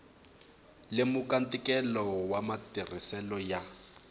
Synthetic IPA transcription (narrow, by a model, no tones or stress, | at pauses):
lɪmʊkʼantʼikʼɛlɔwamatir̤isɛlɔja